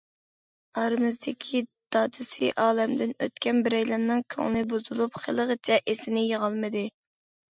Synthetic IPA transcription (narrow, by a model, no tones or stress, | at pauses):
ɑɾmɨzd̪ɪkʲʰid̪̥ɑːd̪ʰɨsɨʔɑːlɛmd̪ɪnøt̪kʲɛnbɪɾɛjlɑnːɨŋkʲʰø̰ŋlɪbuzulˠupχʰəlˠəʁət͡ʃʰɛʔesɪnɪjeʁɑlˠmɨd̪ɨ